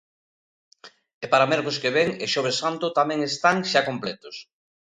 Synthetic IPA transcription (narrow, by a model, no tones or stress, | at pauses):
epaɾamɛɾkoskeβeŋeʃoβ̞esːant̪ʊt̪amɛ̃ŋest̪aŋʃakomplɛt̪os